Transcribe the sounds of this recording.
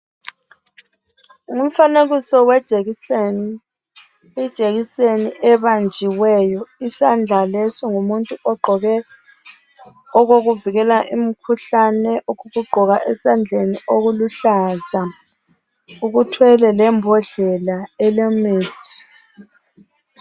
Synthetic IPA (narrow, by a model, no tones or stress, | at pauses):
ŋum̩faneɣisɔwɛ̥ | id̥ʒ̥ʱeɣiseniʔɛβand͡ʒʱiwɛjɔisand͡ɮʱalesiŋumuntʼuɔɡ͡ǃʱɔɣɛ | ɔɣoɣuviɣɛlaʔim̩kʰuɬanɛʔuɣuɣuɡ͡ǃʱɔɣaʔɛsand͡ɮʱenioɣuluɬaza | uɣutʰwɛlɛlɛmbʱɔɮɛlaɛlemiːtʰi̥